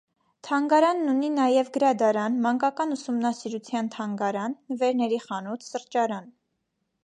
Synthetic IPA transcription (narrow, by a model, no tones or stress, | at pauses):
t̪ʰɑŋɡɑɾɑnːuninɑjɛvɡəɾɑd̪ɑɾɑnmɑŋkɑkɑnusumnɑsiɾut͡sʰjɑnt̪ʰɑŋɡɑɾɑnːəvɛɾnɛɾiχɑnut̪ʰsəɾt͡ʃɑɾɑn